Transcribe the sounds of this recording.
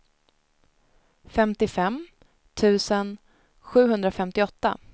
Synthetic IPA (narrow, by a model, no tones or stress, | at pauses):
fɛmt̪ɪfɛm | t̪ʰʉ̟ːsən | ɧʉ̟ːɦɵnd̪ɾafɛmt̪ɪɔt̪ːa̰